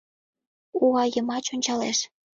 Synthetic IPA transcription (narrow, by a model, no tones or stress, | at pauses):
uɑjəmɑt͡ɕonʲt͡ɕɑleʃ